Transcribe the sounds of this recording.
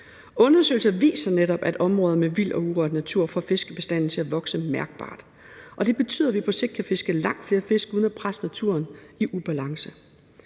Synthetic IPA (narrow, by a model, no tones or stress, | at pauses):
ɔ̽nɐsø̰l̩sɐʋḭːsɐneɾɒ̽b̥æd̥ɒ̽mʁɔ̽ːð̞ˠɐmeʋil̰ɒ̽uʁɒd̥næt͡sʰuɐ̰fɒ̰fe̝sɡ̥əb̥e̝sd̥æn̰n̩t͡sʰe̝æʋɒ̽ɡ̥səmæɐɡ̥̚b̥ɑ̰̈ːd̥ | ʔɒ̽d̥e̝b̥e̝t͡sʰy̰ːðˠɐʋipʰɒ̽seɡ̥d̥̚kʰæfe̝sɡ̥əlɑ̈ŋ̰d̥fle̝ːɐfe̝sɡ̥uð̞ˠnæpʰʁasnæt͡sʰuɐniʔub̥ælɑ̈ŋsə